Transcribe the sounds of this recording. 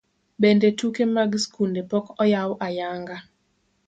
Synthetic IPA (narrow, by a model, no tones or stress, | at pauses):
bendetukemaɡskundepɔkɔjawʔajaŋɡa